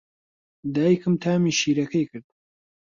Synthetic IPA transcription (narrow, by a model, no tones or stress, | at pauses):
d̪aːjikʰɨmt̪ʰaːmiʃiːɾɐkɐjkʰɨɾd̪̚